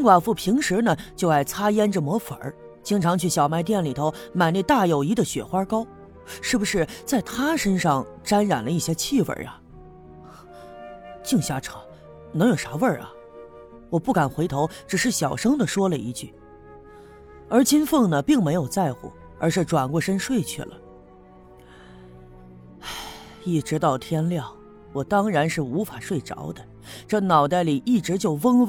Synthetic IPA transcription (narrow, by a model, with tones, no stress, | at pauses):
ŋkwa˨˩nfu˥˩pʰi˧˥ŋʂɻ̩˧˥nə˨t͡ɕjo˥˧ʊa˥˩ɪt͡sʰa˥jɛ˥nʈ͡ʂə˨mɔ˧˥fə̰˞˨˧˥ | t͡ɕi˥ŋʈ͡ʂʰɑ˧˥ŋt͡ɕʰy˥˩ɕjɑ˨˩ʊma˧˥ɪt̪̬jɛ˥˩nli˨˩t̪ʰo˧˥ʊma˨˩ɪni˥˧t̪a˥˩jo˨˩ʊi˧˥d̪ə˨ɕɥɛ̰˨˩xwa˥kɑ˥ʊ | ʂɻ̩˥˩bu˩ʂɻ̩˥˩t͡sa˥˩ɪt̪ʰa˥ʂə˥nʂɑ˥˧ŋ | ʈ͡ʂa˥nɻa˨˩nlə˦i˥˩ɕjɛ˥t͡ɕʰi˥˧wə̰˞˨˩ɐ̰˨ | t͡ɕi˥˧ŋɕja˥˩ʈ͡ʂʰɑ˨˧˩ | nɤ˧˥ŋjo˨˩ʊʂa˧˥wə˞˥˩ɐ̰˩ | wɔ˨˩pu˥˩ka˨˩nxwe˧˥ɪt̪ʰo˧˥ʊʈ͡ʂɻ̩˨˩ʂɻ̩˥˩ɕjɑ˨˩ʊʂɤ˥ŋd̪ə˨ʂwɔ˥lə˨ḭ˧˥t͡ɕy˥˩ | ə˞˧˥t͡ɕi˥nfɤ˥˩ŋnə˩pi˥˩ŋme˧˥ɪjo˨˩ʊt͡sa˥˧ɪxṵ˨˩ | ə̰˞˧˥ʂɻ̩˥˩ʈ͡ʂwa˨˩nkwɔ˥˧ʂə˥nʂwe˥˧ɪt͡ɕʰy̰˥˩lə̰˩ | a˧˩ | i˥˩ʈ͡ʂɻ̩˧˥t̪ɑ˥˩ʊt̪ʰjɛ˥nljɑ˥˩ʊ | wɔ˨˩t̪ɑ˥ŋɻa˧˥nʂɻ̩˥˩u˧˥fa˨˩ʂwe˥˩ɪʈ͡ʂɑ̰˧˥ʊd̪ə˧ | ʈ͡ʂɤ˥˩nɑ˨˩ʊt̪a˥˩ɪli˨˩ʔi˥˩ʈ͡ʂɻ̩˧˥t͡ɕjo˥˩ʊwə˥ŋ